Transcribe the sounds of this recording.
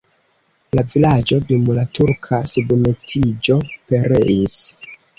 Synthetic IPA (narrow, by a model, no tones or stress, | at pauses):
lavilad͡ʒo̞demulatuɾkʰasubme̞tʰid͡ʒo̞pe̞ɾe̞is